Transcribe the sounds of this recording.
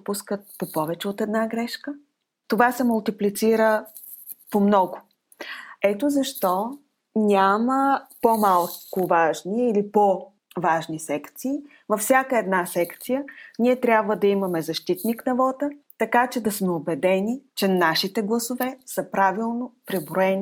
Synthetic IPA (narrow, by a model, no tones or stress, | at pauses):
puskət̪̚popɔvɛt͡ʃɛot̪ɛd̪naɡɾɛʃkə | t̪ovasɛmʊlˠt̪iplit̪siɾə | pomnɔɡʊ | ɛt̪ozɐʃt̪ɔ | nʲaməpomalˠkʊvaʒniːlipo | vaʒnisɛkt̪siː | vɐfsʲakəɛd̪nasɛkt̪sijənʲiɛt̪ɾʲabvəd̪ɐimɐmɛzɐʃt̪it̪niknɐvɔt̪ət̪ɐkat͡ʃɛd̪ɐsmɛobɛd̪ɛnʲit͡ʃɛnaʃit̪ɛɡlˠɐsovɛsəpɾavilˠnopɾibɾoɛni